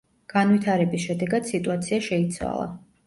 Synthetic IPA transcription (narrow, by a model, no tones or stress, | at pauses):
ɡ̥anvwit̪ʰaɾɛbisʃɛd̪ɛɡad̪sit̪ʼuat̪sʰiaʃɛit̪sʰwa̰lˠa̰